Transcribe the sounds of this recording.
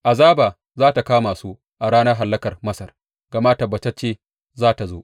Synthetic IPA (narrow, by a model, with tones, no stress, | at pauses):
ʔa˨zaː˦baː˨ | zaː˦ta˨kaː˦maː˨suː˦ | ʔa˨ɽaː˦nɐ˦ɦa˨lːɐ˦kɐ˨rmɐ˦sɐ˨r | ɡ̥a˨ma˦tɐ˨bːɐ˨tɐ˦t͡ʃeː˦ | zaː˦ta˨zoː˦ʔ